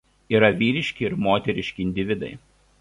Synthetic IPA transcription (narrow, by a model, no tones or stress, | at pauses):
iːɾɐʋʲiːɾʲɪʃʲkʲɪɪɾmoːt̪ʲɛɾʲɪʃʲkʲɪɪnʲd̪ʲɪʋʲɪd̪ɐ̰ɪ